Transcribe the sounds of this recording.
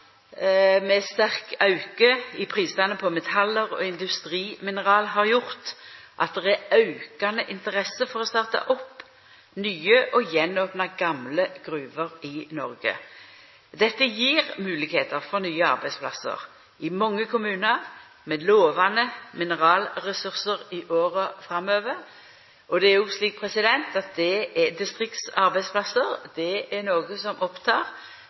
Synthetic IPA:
mɛst̪æʁkɑʉkəɪpʰʁiːst̪ɑnəpʰɔmɛt̪ʰɑləʁɔ̰ːɪnd̪ʉst̪ʁiːmɪnəʁɑːlɦɑʁjʊʁt̪ʔɑt̪̚d̪ɛʁæɑʉkɑnəʔɪnt̪əʁɛsəfɔʁɔst̪ɑːʁt̪ɑ̰ʔɔpː | nyːəʔɔjɛnoːpnɑɡɑmləɡ̥ɾʉːʋəʁɪnɔʁɡə̰ | d̪ɛt̪ːəjiːʁmʉːlɪɡheːt̪əʁfɔʁnyːəɑ̰ʁbæɪd̪spʰlɑ̰sə̰ʁ | ɪmɔŋːəkʰʊmʉːnəʁ | mɛd̪loːʋɑnəmɪnəʁɑːlʁɛsʉʁsəʁɪʔoːʁəfʁɑmøːʋəʁ | ʔɔd̪ɛæɾjʊsliːk̚pʰɾɛsɪd̪ɛnt̪ɑt̪̚d̪ɛɛd̪ɪst̪ʁɪk̚t̪sɑɾbæɪd̪spʰlɑsəʁd̪̥ɛɛnoːɡəsɔmʔɔpt̪ʰɑːʁ

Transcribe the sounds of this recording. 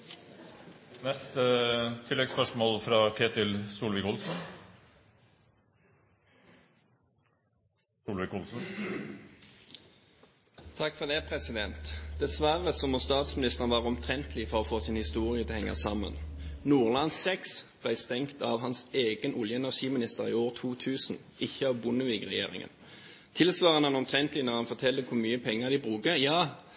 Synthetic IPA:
nɛst̪ət̪ʰɪlːɛɡspœʂmoːlfɾɑːkʰeːt̪ɪlsuːlʋɪkʊlsn̩ | suːlʋɪkʊlsn̩ | t̪ʰɑkːfɔʁd̪ɛːpʰʁɛsɪd̪ɛnt̪d̪̥ɛsʋæʁəsɔmɔst̪ɑːt̪smɪnɪst̪əʁənʋɑːʁɔmt̪ʰʁɛnt̪əlɪfɔʁɔfoːsɪnhɪst̪uːʁɪət̪ʰɛhɛŋːɑ̰sɑmːə̰nnuːʁlɑnsɛksb̥læɪst̪ɛŋkt̪ɑʋhɑnseːɡənʊljəɛnæʁʂiːmɪnɪst̪əʁḭːoːʁt̪ʰuːt̪ʰʉːsn̩ | ɪçəɑʋbʊnəʋiːkʁɛjḛːʁɪ̰ŋə̰n | t̪ʰɪlsʋɑːʁənɑnɔmt̪ʰʁɛnt̪lɪnɔʁhɑnfɔʁt̪ʰɛlːəkʰʊʁmyːəpʰɛŋːəʁd̪ɪbʁʉːkəjɑː

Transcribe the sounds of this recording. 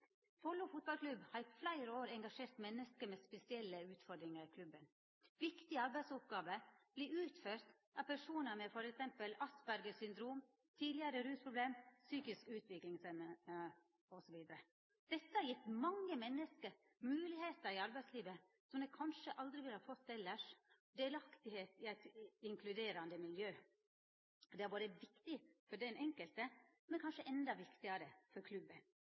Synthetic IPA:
fʰɔlːʊfʊt̪̚bɑlkʰlʉbhɑːɾɪflæɪɾəoːɾɛŋɡɑʂeːɾt̪mɛnːəskəmɛːspɛsɪɛlːəʉːt̪fɔɖ̪ɾɪŋəkʰlʉbən | ʋɪkt̪ɪəɑɾbæɪd̪sʊp̚ɡɑːʋəb̥liːʉːt̪føːɾt̪ | ɑpʰæʂuːnəmɛfɔɾɛksɛmpəlɑsbæɾɡəsʏnd̪ɾuːm | t̪ʰiːd̪lɪəɾəɾʉːspʰɾʊbleːmsyːkɪskʉːt̪ʋɪklɪŋsɛmə | ɔsɔʋiːd̪əɾə | d̪̥ɛt̪ːəhɑɾjɪt̪ːmɑŋːəmɛnːəskəɾ | mʉːlɪheːt̪əɾɪɑɾbæɪsliːʋə | sɔmd̪ɛkʰɑnʂəʔɑld̪ɾɪʋɪlhɑɾfɔt̪ːɛlːəʂ | d̪eːlɑkt̪ɪheːt̪ɪæɪt̪ɪŋkʰlʉd̪eːɾɑnd̪əmɪljøː | d̪ɛæɾboːɾəʋɪkt̪ɪfɔɖ̪ɛnʔɛŋkəlt̪ə | mɛnkʰɑnʂəʔɛnd̪ɑʋɪkt̪ɪɑɾəfɔɾkʰlʉbən

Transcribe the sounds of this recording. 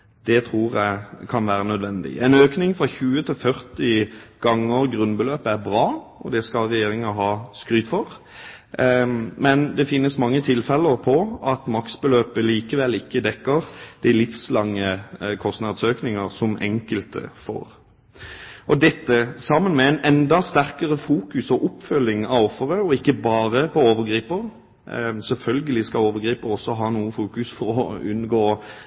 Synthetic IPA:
d̪̥ɛt̪ʰɾuːʁjæɪkʰɑnʋæːɾənœd̪ʋɛnd̪ɪ̰ɛnøːknɪŋfɾɑçʉːət̪ʰɪlfœʁt̪ɪɡ̥ɑŋːəʁɡɾʉnbəløːpəæɾbɾɑːʔɔ̰d̪ɛskɑlʁɛjeːɾɪŋɑɦɑːskɾyːt̪fɔʁ | mɛnd̪ɛfɪnːəsmɑŋːət̪ʰɪlfɛləʁpʰɔɑt̪mɑksbəløːpəliːkəʋɛlɪkːəd̪ɛkːəʁd̪̥ɪlɪfslɑŋːəkʰɔst̪nɑd̪søːknɪŋəʁsɔmɛ̰ŋkəlt̪ə̰fo̰ːʁ | ʔɔd̪ɛt̪ːəsɑmːənmɛɛnɛnd̪ɑst̪æɾkəʁəfuːkʉsɔʔʊpfœlːɪŋɑʋɔfːəʁəɔɪkːəbɑːʁəpɔoːʋəɾɡʁiːpəʁ | sɛlfœlɡəlɪskɑoːʋəɾɡʁiːpəʁɔsːɔɦɑːnuːəfuːkʉsfɔɾɔ̰ʉnɡoː

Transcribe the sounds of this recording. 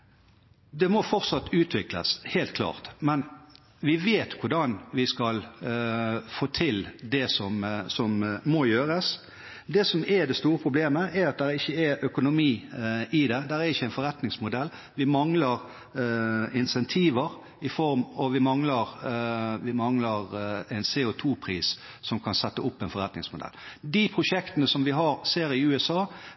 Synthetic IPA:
d̪ɛmɔfɔʁt̪sɑt̪ːʉːt̪ʰʋɪklə̰shelt̪kʰlɑ̰ːʁt̪mɛn | ʋɪʋeːt̪kʰʊʁɖ̪ɑnʋɪskɑl | foːt̪ʰɪld̪ɛsɔmsɔmːɔjøːɾəs | d̪ɛsɔmɛd̪ɛst̪uːʁəpʰʁʊbleːməʔɛɾɑt̪̚d̪ɛɾɪçːəɛʔœkʊnʊmiːɪd̪ɛd̪æɾæɾɪçːəɛɪnfɔɾɛt̪nɪŋsmʊd̪ɛlː | ʋɪmɑŋləɾ | ɪnsɛnt̪ʰiːʋəɾ | ɪfɔɾmɔʋɪmɑŋləɾ | ʋɪmɑŋləɾænseːʊt̪ʰuːpʰɾḭːs | sɔmkʰɑnsɛt̪ːəʊpːɛnfɔɾɛt̪nɪ̰ŋsmʊd̪ɛ̰ld̪ɪpʰɾʊʃɛkt̪ənəsɔmʋɪɦɑɾseːɾɪʉːɛsɑː

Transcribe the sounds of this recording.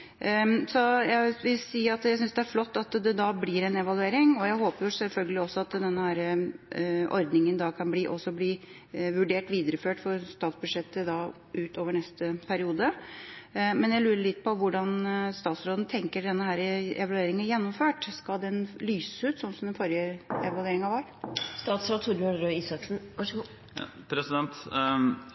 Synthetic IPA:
sɔjæɪʋɪlsiːɑt̪jæɪsʏnsd̪ɛæɾflɔt̪ːɑt̪d̪ɛd̪ɑblɪːɾɛnɛʋɑlʉeːɾɪŋɔjæɪɦoːpəɾjʊsɛlfœlɡəlɪɔsːɔɑt̪d̪ɛnːəhæːɾə | ʔɔ̰ɾd̪nɪŋənd̪ɑkʰɑnbliːʔɔsːɔbliː | ʋʉɖeːʈʋiːd̪əɾəføːʈfɔɾst̪ɑːt̪sbʉd̪ʂɛt̪ːəd̪ɑ | ʔʉːt̪oːʋəɳɛst̪əpʰæɾɪuːd̪ə | mɛnjæɪlʉːɾəɭɪt̪̚ːpʰɔʋʊɖɑnst̪ɑːt̪sɾoːd̪n̩t̪ʰɛŋkəɖɛnːəhæːɾəɛ̰ʋɑlʉeːɾɪŋənjɛnːɔmføːʈskɑd̪ɛnlyːsəʉːt̪sɔnsɔmd̪ɛnfɔɾjəɛʋɑlʉʋeːɾɪŋɑʋɑɾst̪ɑːt̪sɾɑt̪ʰuɾɑɾøiːsɑksn̩ɑʂ | pʰɾɛsɪd̪ɛnt̪

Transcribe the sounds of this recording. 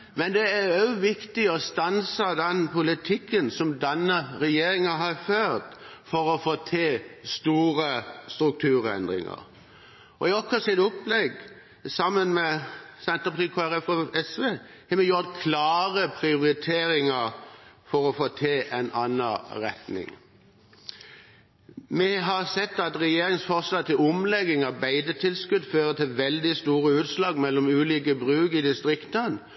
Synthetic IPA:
mɛnd̪ɛæɾɑʉʋɪkt̪ɪɔst̪ɑnsəd̪ɛnpʊlɪt̪ʰɪkːənsɔmd̪ɛnːəɾɛjeːɾɪŋəɦɑɾføːɾt̪fɔɾɔfoːt̪ʰeːst̪uːɾəst̪ɾʉk̚t̪ʰʉːɾɛ̰nd̪ʁɪ̰ŋɑ̰ɾ | ɔ̰ɪɔkːəsɪt̪ʊpːlɛɡ | sɑmːənmɛsɛnt̪əpɑt̪iːkʰoːæɾɛfɔɛsʋeː | hɛmɛjʊɾt̪kʰlɑːʁəpʰʁɪʊɾɪt̪ʰeːɾɪŋəɾfɔɾɔfoːt̪ʰeːʔɛnɑnːəʁɛt̪nɪ̰ŋ | mɛɦɑʁsɛt̪ːɑt̪ʁɛjeːɾɪŋsfɔʁslɑːt̪ɪlʊmlɛɡɪŋɑbæɪd̪ət̪ʰɪlskʉd̪føːʁət̪ʰɪlʋɛld̪ɪst̪uːʁəʉːt̪slɑːɡmɛlːɔmʉːliːk̬əbʁʉːkɪd̪ɪst̪ʁɪkt̪ən

